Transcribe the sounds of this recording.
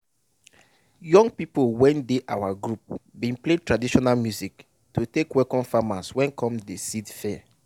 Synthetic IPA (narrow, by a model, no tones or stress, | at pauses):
jɔ̃ŋɡpipowɛ̃ndeʔawaɡɹup̚bĩnpletɹadiʃɔnalmjuzik | tutekwɛkɔ̃nfamaswɛ̃nkʰɔ̃mdesidfɛ